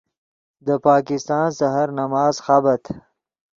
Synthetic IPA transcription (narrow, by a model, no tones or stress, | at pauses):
d̪əpɑːkɪst̪ɑːnsaɦaɾnamɑːzxabat̪ʰ